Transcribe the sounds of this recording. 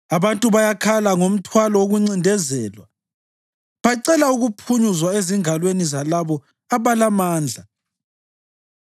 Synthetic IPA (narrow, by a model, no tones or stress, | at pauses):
aβantʼuβajakʰalaŋom̩tʰwalɔwoɣuŋ͡ǀindʱɛzɛːlwa̰ | βaǀɛlauɣupʰuɲuzwaeziŋalwenizalaβɔ | aβalamaːnd͡ɮʱa